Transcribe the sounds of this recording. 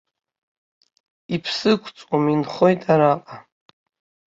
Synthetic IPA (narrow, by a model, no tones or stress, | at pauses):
ipʰsɨkʷʰt͡sʼwominχojtʼaɾaqʼa